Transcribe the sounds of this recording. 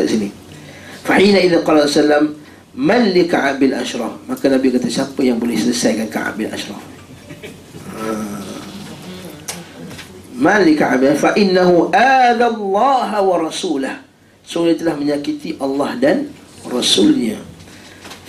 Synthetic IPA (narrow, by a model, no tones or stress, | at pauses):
a̰ʔsini | faħinaʔiðɪnqɑlasalːamː | anlikaʕabɪlʔa̰ʃɾˤɑhmakanabikat̪asiapəjaŋbolɛhsələsajkanka̰ʔa̰ʔbɪla̰ʃɾˤɑ̰h | a | manlikaʕa̰bɪafaʔɪnːaɦuʔaːd̪alˤːɑːɦawɑɾˤɑsuːlah | sʊŋɲat̪əlahməɲakit̪iʔalːɑhdanrɑsulɲa